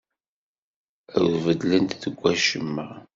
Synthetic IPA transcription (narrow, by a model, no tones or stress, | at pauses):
æ̰wvəd̪lənt̪ðəɡʷːæʃəmːəʁ